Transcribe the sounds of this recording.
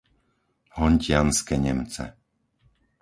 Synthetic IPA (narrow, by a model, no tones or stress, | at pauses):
hɔɲcɪanskɛɲɛmt͡sɛ̰